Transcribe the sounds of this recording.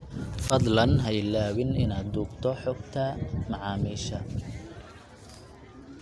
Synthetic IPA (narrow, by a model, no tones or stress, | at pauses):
fɐd̪lɐnɦɛjlaːwɪnɪnaːd̪̚d̪uːɡt̪ʰɔħɔːɡt̪ʰɐmɑʕɑːmiːʃɐ